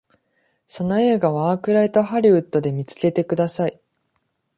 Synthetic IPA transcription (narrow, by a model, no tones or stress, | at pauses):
so̞no̞e̞ːɡaβ̞aaːkɯ̟ɾait̪o̞ɦaɾʲiɯ̟t̪ːo̞d̪e̞mʲit͡sɨ̥ke̞t̪e̞kɯd̪asai